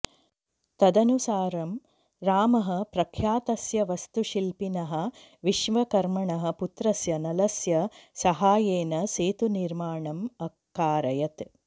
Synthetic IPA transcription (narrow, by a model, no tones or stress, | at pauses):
t̪ɐd̪ɐnusaːɾɐm | ɾaːmɐɦɐ̆pɾɐkʰjaːt̪ɐsjɐʋɐst̪uʃilpinɐɦɐ̆ | ʋiʃʋɐkɐɾmɐɳɐɦɐ̆put̪ɾɐsjɐnɐlɐsjɐsɐɦaːjeːnɐseːt̪uniɾmaːɳɐmɐkːaːɾɐjɐt̪